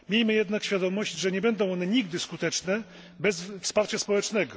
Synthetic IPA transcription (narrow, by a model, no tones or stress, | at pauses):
mʲejmɘjɛd̪nakɕfʲjad̪ɔmɔɕt͡ɕʐɛɲɛbɛnd̪ɔ̃w̃ɔnɛɲiɡd̪ɘskut̪ɛt͡ʂnɛ | bɛsfspaɾt͡ɕaspɔwɛt͡ʂnɛɡɔ